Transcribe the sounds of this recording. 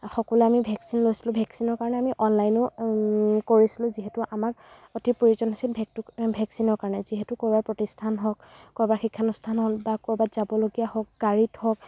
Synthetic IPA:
xɔkɔlɛamibʱɛksinlojsilʊ̃bʱɛksinɔɹkaɹɔnɛamiʔɔnlajnʊ | koɹisilʊ̃ziɦɛtʊʔamaɹ | otipoɹizɔnɦɔsilbʱɛktbʱɛksinɔɹkaɹɔnɛziɦɛtʊkɔɹbaɹpɹɔtistʰanɦɔk̚kɔɹbaɹxikʰːanustʰanɦɔlbakɔɹbatz̥abɔloɡijaɦɔk̚ɡaɹithɔk̚

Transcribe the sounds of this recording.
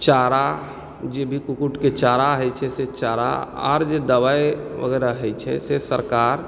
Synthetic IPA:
t͡ʃaɾa | d͡ʒebʱikukuʈket͡ʃaɾaɦəjt͡ʃʰɛset͡ʃaɾa̰a̰ːɾd͡ʒed̪əʋaeʋə̰ɡɛɾaɦɛjt͡ʃʰɛ̰sesəɾkaɾ

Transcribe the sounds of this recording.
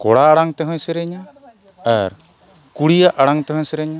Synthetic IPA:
kɔɽaːɽaŋt̪ɛɦɔ̃jsɛɾɛɲa | aɾ | kuɽijaʔaɽaŋt̪ɛɦɔ̃sɛɾɛɲa

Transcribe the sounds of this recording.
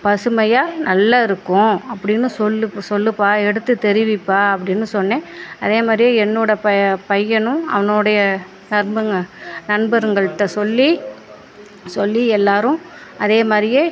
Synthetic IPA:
pɐsɯmɐjaːnɐlːɐɪɾɯkːʊ̃ɐpːɐɽɪnːɯsɔlːɯsɔlːɯpːaːɛɽɯt̪ːɯt̪ɛɾɪʋɪpːaːɐpːɐɽɪnːɯsɔnːẽːɐðeːmaːd̪ɾɪjeːɛnːoːɽɐpɐpɐjːɐnʊ̃ɐ̰ʋɐnoːɽɐjɐ | nɐɾmbɐŋɡɐnɐnbɐɾɯŋɡɐɭɯt̪ːɐsɔlːi | sɔlːiɛlːaːɾɯ̃ | ɐðeːmaːd̪ɾɪjeː

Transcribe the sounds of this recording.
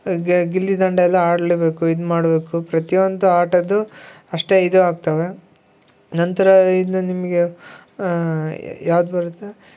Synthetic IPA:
ɡilːid̪ɐɳɖɐɛlːɐaːɽleːbe̞ːkuid̪umaːɽbe̞ːkupɾɐt̪ijond̪uaːʈɐd̪u | ɐʂʈe̞id̪uaːɡ̚t̪ɐʋe̞ | nɐnt̪ɐɾɐid̪ɐnimɐɡe | jaːʋud̪bɐɾut̪ːe

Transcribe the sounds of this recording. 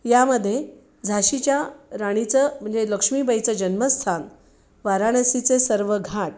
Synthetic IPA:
jaməd̪ʱːje | d͡zʱaɕit͡ɕjaɾaɽ̃it͡səm̤əɳd͡zeləkʂmiːbəjt͡səd͡ʑənməst̪ʰan | ʋaɾaɽ̃əsit͡sesəɾʋəɡʱaʈ̚

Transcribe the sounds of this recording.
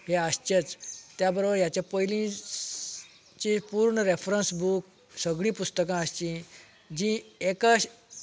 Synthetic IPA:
ɦeast͡ɕet͡st̪jabəɾobəɾjat͡ɕjapəjlĩ | t͡ɕĩpuɾɳəɾefɾənsbuk̚ | səɡɭĩːpust̪əkãəst͡ɕĩ | d͡ʑĩekəɕ

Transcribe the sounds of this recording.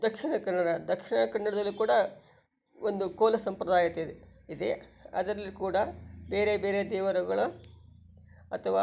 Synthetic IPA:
d̪ɐkʂiɳɐkɐɳːɐɽɐd̪ɐkʂiɳɐkɐɳːɐɽɐd̪ɐlːikuːɽɐ | ond̪ukoːlɐsɐmpɾɐd̪aːjɐt̪ːed̪eid̪ḛɐ̰d̪ɐɾɐlːikuːɽɐbe̞ːɾe̞beːɾed̪ɛːʋɐɾɐɡɐɭu | ɐt̪ʰɐʋaː

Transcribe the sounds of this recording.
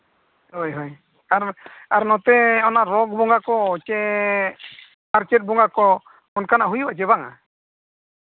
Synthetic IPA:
ojɦɔj | aɾaɾnɔt̪ɛɔnaɾɔk̚bɔŋɡakɔt͡ʃɛ | aɾt͡ʃɛt̪̚bɔŋɡakɔ | ɔnkanaʔɦujwat͡ʃɛβaŋa̰

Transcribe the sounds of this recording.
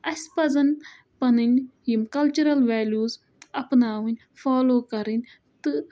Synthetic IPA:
ɐsʲpɐzɐn | pɐnɨnʲjimkɐlt͡ʃuɾɐlʋɛːljuːz | ɐpnaːʋɨnʲ | faːloːkɐɾinʲ | t̪ɨ

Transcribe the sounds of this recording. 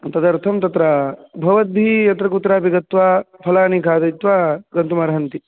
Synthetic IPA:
t̪ɐd̪ɐɾt̪ʰɐmt̪ɐt̪ɾabʱɐʋɐd̪̚bʱijɐt̪ɾɐkut̪ɾaːbiɡɐt̪ʋaːpʰɐlaːnikʰaːd̪ɐjt̪ʋaːɡɐnt̪umɐːɾɐɦɐnt̪i

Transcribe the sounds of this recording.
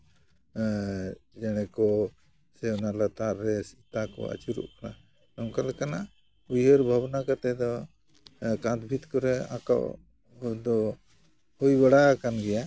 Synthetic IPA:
d͡ʒɛɽ̃ɛkɔ | sɛwnalat̪aʔɾɛsit̪akɔ̰a̰t͡ʃuɾṵʔkana | nɔŋkalkana | ujɦəɾbʱabnakat̪ɛd̪ɔ | kãt̪bʱit̪kɔɾɛa̰ka̰ʔ | d̪ɔ | hujbaɽakanɡɛja

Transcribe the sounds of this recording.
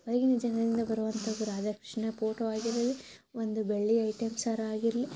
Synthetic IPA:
ɐlɐɡinid͡ʒɐnɐd̪ind̪ɐbɐɾuʋɐnt̪ʰɐɡuɾaːd̪ɐkɾi̥ʂnɐpoːʈoːaːɡiɾɐliond̪ubeɭːiɐjʈemsaːɾɐaːɡiɾɐli

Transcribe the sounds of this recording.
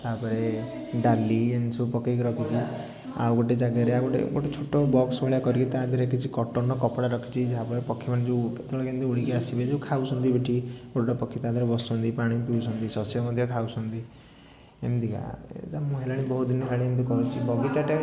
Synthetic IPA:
t̪aɦapɔɾe | ɖaliensupɔkekɔɾɔkʰit͡ʃʰi | a̰wɡoʈ̬ed͡ʒaɡaɾeaɡoʈḛɡoʈet͡ʃʰoʈobɔksbɔɭijakɔɾiket̪aːd̪ʱaɾekʰit͡ʃʰikɔʈɔɾnɔkɔpɽaɾɔkʰi̥t͡ʃʰid͡ʒaɦapɔɾepɔkʰːimaned͡ʒeet̪eɭɔkend̪iuɽikɔjasibed͡ʒewkʰausʰɔnt̪ibeʈʰioɽɔʈɔpɔkʰːit̪aːd̪ʱaɾebɔsɔnt̪ipaɽ̃ipiusɔnt̪isɔsɔmɔd̪ʱjɔkʰausɔnt̪i | emd̪ika̰ḛtamũɦelaɽ̃ibɔɦut̪̚d̪inːɔɦelaɽ̃iemt̪̬ukɔɾut͡ʃʰibɔɡit͡ʃaʈe

